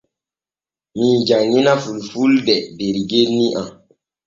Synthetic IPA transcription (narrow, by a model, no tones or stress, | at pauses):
miːd͡ʒaŋːinafulfuldɛbeɾiɡelniʔa